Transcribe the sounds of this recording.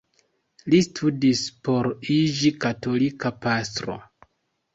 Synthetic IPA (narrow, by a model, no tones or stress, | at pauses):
listʰudispo̞ɾid͡ʒikato̞likapastɾo̞̰